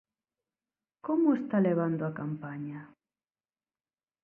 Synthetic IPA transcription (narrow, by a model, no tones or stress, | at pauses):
komʊest̪aleβand̪oakampaɲa